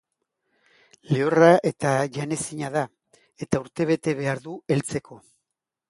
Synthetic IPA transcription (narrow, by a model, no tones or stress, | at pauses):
leoraʔe̞t̪aʝane̞siɲaða | e̞t̪auɾt̪e̞β̞e̞t̪e̞β̞e̞aɾðue̞lt͡se̞kʰo̞